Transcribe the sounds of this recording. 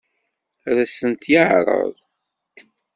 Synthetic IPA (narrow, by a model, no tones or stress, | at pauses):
ðæsənt̪jəʕɾˤə̰ðˤ